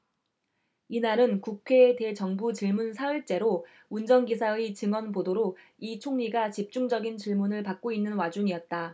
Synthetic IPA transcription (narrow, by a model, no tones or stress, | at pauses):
inaɾɯnkukʰe̞de̞t͡ɕʌŋbut͡ɕiɭmunsʰaɯɭt͡ɕ͈e̞ɾo | und͡ʑʌŋɡisʰait͡ɕɯŋwʌnbodoɾo | it͡ɕʰoŋɲiɡat͡ɕip̚t͡ɕ͈uŋd͡ʑʌɡint͡ɕiɭmunɯɭpak̚k͈oinːɯnwad͡ʑuŋiʌt̚t͈a